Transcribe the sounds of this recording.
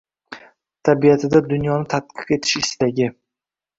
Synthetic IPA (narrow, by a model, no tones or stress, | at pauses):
t̪ʰabijat̪ʰɪd̪ad̪ʊnjɒnɪt̪ʰat̪̚qʰɨ̥qe̞t̪ʰɪ̥ʃɪst̪aɡʲɪ